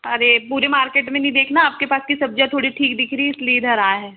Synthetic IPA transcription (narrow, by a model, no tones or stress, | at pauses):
ɐɾepuːɾemaːɾkeːʈmẽnɐĩd̪eːkʰnaaːp̚kepaːskisɐb̚d͡ʒat̪ʰoːɽiʈʰiːkd̪ɪkʰɾiɪslied̪ʱɐɾaːɦɛː